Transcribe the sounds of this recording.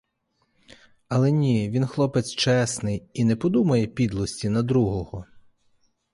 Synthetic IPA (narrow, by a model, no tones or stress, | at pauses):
ɐlˠɛnʲiʋʲinxlˠɔpɪt͡s̪ʲt͡ʃɛsnɪjinɛpɔd̪umɐjɛpʲid̪lˠɔsʲtʲinɐd̪ɾuɦɔɦɔ